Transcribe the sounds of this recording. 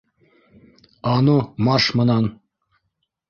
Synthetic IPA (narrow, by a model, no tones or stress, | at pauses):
ɑnumɑʃmɤ̆nɑn